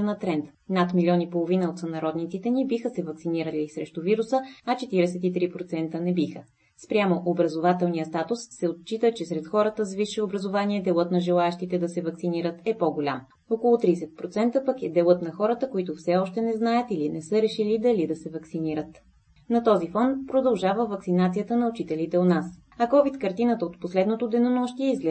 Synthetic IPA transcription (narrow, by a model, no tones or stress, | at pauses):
nɐt̪ɾɛnt̪ | nat̪milʲiɔnipolˠovinəot̪sənɐɾɔd̪nit̪sit̪ɛnibixəsɛvɐksiniɾəlisɾɛʃt̪ʊviɾusəɐt͡ʃɛt̪iɾɛsɛt̪it̪ɾipɾot̪sɛnt̪ənɛbixə | spɾʲjamoʔobɾɐzovat̪ɛlˠnijəst̪at̪ʊsːɛot̪̚t͡ʃit̪ət͡ʃɛsɾɛt̪xɔɾət̪əzviʃɛobɾɐzovaniɛd̪ɛlˠɤt̪nɐʒɛlˠaɛʃt̪it̪ɛd̪ɐsɛvɐksiniɾət̪ɛpɔɡolʲa̰m | ɔkolˠʊt̪ɾisɛt̪̚pɾot̪sɛnt̪əpəkɛd̪ɛlˠɤt̪nɐxɔɾət̪əkoit̪ʊfsɛɔʃt̪ɛnɛznajət̪ilinɛsɤɾɛʃilid̪ɐlid̪ɐsɛvɐksiniɾət̪ | nɐt̪ɔzifɔnt̪pɾod̪ɐlˠʒavəvɐksinat̪sijət̪ənɐʊt͡ʃit̪ɛlit̪ɛonas | ɐkɔvit̪kɐɾt̪inət̪əot̪poslɛd̪not̪od̪ɛnomɔʃt̪iɛizɡlɛ